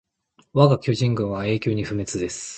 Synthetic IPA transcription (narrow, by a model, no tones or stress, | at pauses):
βaɡakʲoʑĩŋɡɯ̟̃ɰ̃βae̞ːkʲo̞ːɲ̟iɸɯ̟me̞t͡sɨd̪e̞sɨ̥